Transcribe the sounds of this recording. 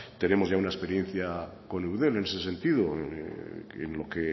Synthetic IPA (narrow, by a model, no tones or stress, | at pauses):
t̪e̞ne̞mozʝaunaespe̞ɾje̞n̟θja | ko̞newðe̞le̞ne̞se̞se̞nt̪ið̞o | ḛnlo̞ke